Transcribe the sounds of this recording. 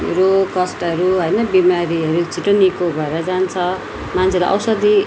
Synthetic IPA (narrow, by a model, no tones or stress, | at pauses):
rokʌsʈʌɾuɦʌjnʌbimaɾiʌɾut͡sʰiʈonikobʱʌeɾʌd͡zant͡sʰʌ | mant͡sʰelaʔʌ̰wsʌd̪i